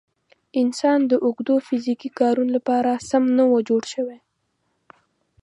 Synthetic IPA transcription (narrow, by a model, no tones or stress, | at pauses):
ɪnsɑnd̪əʔʊɡd̪ofizikikɑɾunolapɑɾasamnawəd͡ʒoɽʃəwe